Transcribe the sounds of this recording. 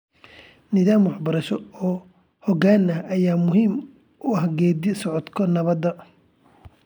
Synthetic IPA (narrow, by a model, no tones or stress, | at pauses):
nɪðaːmwɑħbɐɾɐʃɔɔː | hɔɡaːnɐɐjaːmʊɦiːm | ʊɐhɡɛːd̪ɪsɔʕɔt̪kʰɔnɐβɐd̪ɐ